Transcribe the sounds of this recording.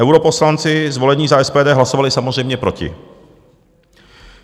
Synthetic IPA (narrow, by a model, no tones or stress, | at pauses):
ɛwɾoposlant͡sɪzvo̞lɛɲiːzaɛspɛːdɛːɦlaso̞valɪsamozrɛjmɲɛpɾo̞cɪ̰